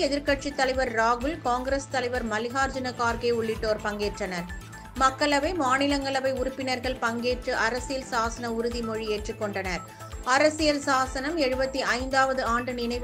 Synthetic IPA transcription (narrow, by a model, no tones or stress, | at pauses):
ɛðɪɾkɐʈt͡ʃit̪ːɐlɐɪʋɐɾːaːɣɯlkaːŋɡɾɐst̪ɐlɐɪʋɐɾmɐlɪɣaːɾd͡ʒɐnɐkaːɾɣeːʊɭːɪʈːoːɾpɐŋɡeːʈrɐnɐɾ | mɐkːɐɭɐʋɐɪmaːnɪlɐŋɡɐɭɐʋɐɪʊɾʊpːɪnɐɾɣɐɭpɐŋɡeːʈrɯʔɐɾɐsɪjɐlsaːsɐnɐʊɾʊðimɔɻieːʈrɯkːɔɳɖɐnɐɾ | ɐɾɐsɪjɐlsaːsɐnɐmɛɻɯbɐt̪ːiʔɐɪnd̪aːʋɐðɯaːɳɖɯnɪnɐɪʋ